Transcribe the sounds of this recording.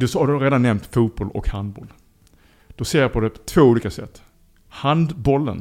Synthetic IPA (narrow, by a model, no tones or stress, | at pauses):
d̪ɵsɔhad̪ɵɾeːd̪anːɛmnt̪fuːt̪̚bɔlɔ̰khand̪̚bɔ̰l | d̪̥ɔseːɾpʰɔd̪ɛpʰɔ̥t̪ʰv̥oːuːliːkasɛ̰t̪ː | hand̪bɔlːə̰n